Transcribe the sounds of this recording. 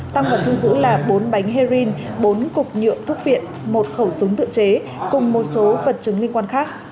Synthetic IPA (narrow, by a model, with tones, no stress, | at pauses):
t̪a˧ŋvaː˨˩wt̪ʰɨ˧ŋzɨ̰˧˥laː˨˩ɓo˨˦nɓa˨˦jŋ̟ɦe˧zi˧nɓo˨˦nkʊ˨˩k͡p̚ɲɨ̰˧˨əmt̪ʰʊ˦˥k̚vḭ˧˨ən | mo˨˩t̚xə˧˩wsʊ˨˦ŋ͡mt̪ɨ̰˧˨t͡ɕe˨˦ | kʊ˨˩ŋ͡mmo˨˩t̚so˨˦və˨˩t̚t͡ɕɨ˨˦ŋli˧ŋkwaː˧nxaː˦˥k̚